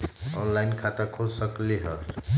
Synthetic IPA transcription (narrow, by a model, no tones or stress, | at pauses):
ɔnlajnkʰat̪akʰolsʌkliɦʌɾ